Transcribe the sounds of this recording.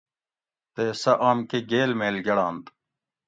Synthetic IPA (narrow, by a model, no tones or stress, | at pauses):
t̪eːsɐʔaːmkeɡeːlmeːlɡɐɽaːnt̪